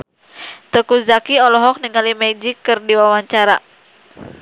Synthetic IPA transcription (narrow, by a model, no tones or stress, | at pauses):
t̪əkuzakiɔlɔɦɔk̚niŋalimed͡ʒikːɨrdiwawaɲt͡ʃaɾa